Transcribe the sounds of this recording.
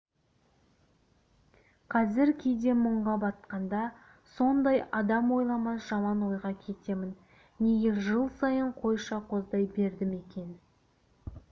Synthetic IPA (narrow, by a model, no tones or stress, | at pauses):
qʰɑzɪɾkʲʰe̞jd̪e̞məɴʁɑbɑt̪̚qɑnd̪ɑ | so̞nd̪ɑjɑd̪ɑmwo̞jlˠɑmɑsʒɑmɑnwo̞jʁɑkʲʰe̞t̪e̞mɪnː | e̞ɡʲe̞ɾʒəlˠsɑjəɴqʰo̞jʃɑqʰo̞zd̪ɑjbe̞ɾd̪ɪme̞kʲe̞n